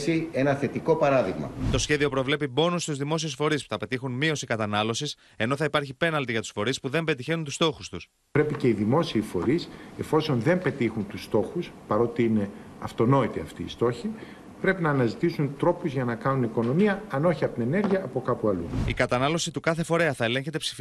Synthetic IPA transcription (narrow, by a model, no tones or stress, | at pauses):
sie̞nɐθe̞t̪iko̞pɐɾɐðiɣmɐ̰t̪o̞sçe̞ðio̞pɾo̞vle̞pibo̞nust̪uzðimo̞siesfo̞ɾispu̥θɐpe̞t̪ixunmio̞sikɐt̪ɐnɐlo̞sis | e̞no̞θɐipɐɾçipe̞nɐlt̪iʝɐt̪u̥sfo̞ɾispuðe̞mbe̞t̪içenunt̪ust̪o̞xust̪us | pɾe̞pice̞iðimo̞siːfo̞ɾise̞fo̞so̞nðe̞mpe̞t̪ixunt̪ust̪o̞xuspɐɾo̞t̪iine̞ | ɐft̪o̞no̞it̪iɐft̪iːst̪o̞çi | pɾe̞pinɐːnɐzit̪isunt̪ɾo̞puzʝɐnɐkɐnuniko̞no̞miɐɐno̞çiɐpot̪ine̞ne̞ɾʝiɐːpo̞kɐpuɐlṵikɐt̪ɐnɐlo̞sit̪ukɐθe̞fo̞ɾe̞ɐθɐe̞le̞ɲçe̞t̪̬e̞psi̥f